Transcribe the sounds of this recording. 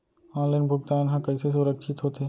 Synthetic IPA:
ãːlɪnbʱʊɡ̚t̪aːenɦãkəɪses̬ʊɾəkʃʰɪt̪ɦoːt̪eː

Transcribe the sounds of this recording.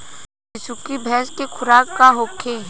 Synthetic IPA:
ɪsukibʱɛːskekʰʊɾaːkːaɦoːkʰe

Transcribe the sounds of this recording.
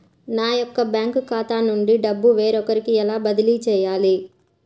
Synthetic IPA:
naːjɔkːɐbjaːŋkkaːt̪aːnuɳɖiɖɐbːuʋeːɾɔkɐɾikiɛlaːbɐd̪ɐlit͡ʃɛːjaːli

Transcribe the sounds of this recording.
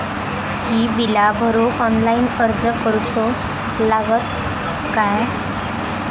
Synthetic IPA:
hiːbilabʱəɾokɔnlainəɾd͡zəkəɾupso | laɡət̪ | kaj

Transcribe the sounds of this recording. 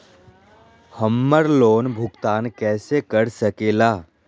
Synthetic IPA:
həmːəɾloːnbʱʊkt̪aːnkɛːsekəɾsəkeːlaː

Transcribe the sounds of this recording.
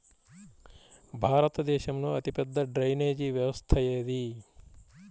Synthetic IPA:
bʱaːɾət̪d̪eːʃəmnuət̪ipəd̪ʱːəɖɾɐjned͡ʒiʋjəʋəst̪ʰajeɦd̪i

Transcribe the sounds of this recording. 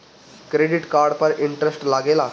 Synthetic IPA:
kɾeɖiʈkaɾɖpəɾiɳʈɾesʈlaɡela

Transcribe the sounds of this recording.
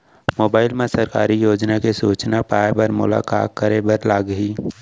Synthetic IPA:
moːbaːɪlmẽsɐɾkaːɾijoːd͡ʒnakesuːt͡ʃnapaːebɐɾmʊ̰la̰ːka̰ːk̚kəɾebəɾlaːɡɦiː

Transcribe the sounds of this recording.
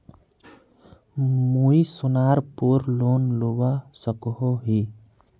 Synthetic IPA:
muisʊnaːɾpoɾloːnlowasəkɦoɦi

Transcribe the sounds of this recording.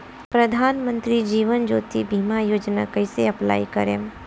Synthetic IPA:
pɾɐd̪ʱaːnmə̃nt̪ɾid͡ʒiːʋənd͡ʒo̰ːt̪ibʱiːmajoːd͡ʒna̰kɐɪseɐpla̰ːikəɾeːm

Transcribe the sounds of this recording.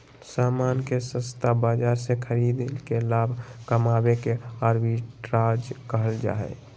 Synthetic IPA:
saːmaːnkesə̃st̪ʰabaːd͡ʒaːɾsekʰəɾiːd̪lkelaːbʱkəmaːbekeaɾbiʈɾaːd͡ʒkəɦəld͡ʒa̰ːɛ̰

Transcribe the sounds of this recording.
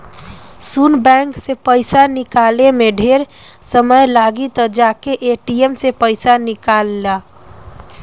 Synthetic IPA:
sunbɛ̃ŋksepəɪsanikalemeɖʱeɾ | səməjlaɡit̪əd͡ʒakeʔeʈiemsepəɪsanikalːa

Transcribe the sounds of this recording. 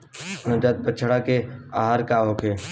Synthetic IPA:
nəd͡ʒaːt̪̚bət͡ʃʰəɽakeaːɦaɾkaːɦoːkʰeː

